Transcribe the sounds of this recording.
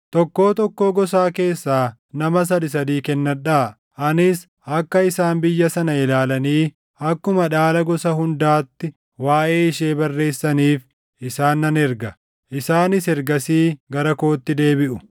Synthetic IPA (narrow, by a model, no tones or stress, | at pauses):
t̪ɔkːo̞ːt̪ɔkːo̞ːɡɔsaːke̞ːsːaː | nɐmɐs̬ɐd̪ɪs̬ɐd̪iːkɛnːɐᶑa | ʔɐnɪs | ɐkːɐɪsaːnbɪjːɐsɐnɐɪlaːlɐniː | ɐkːʊmɐᶑaːlɐɡɔsɐɦʊnd̪aːt̪ːɪ | waːʔe̞ːɪʃe̞ːbɐrːe̞ːsːɐniːf | ʔɪsaːnːɐnɛɾɡɐ | ʔɪsaːnɪsɛɾɡɐsiːɡɐɾɐko̞ːt̪ːɪd̪e̞ːbɪʔʊ